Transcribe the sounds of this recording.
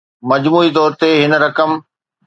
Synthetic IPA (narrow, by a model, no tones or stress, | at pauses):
mɐd͡ʑmuːit̪ɔːɾt̪eɦɪn̆ɾɐkəm